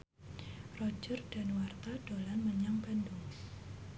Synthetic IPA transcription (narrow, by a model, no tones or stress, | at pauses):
rɔd͡ʒərd̥anwart̪ad̥olanməɲaŋbanduŋ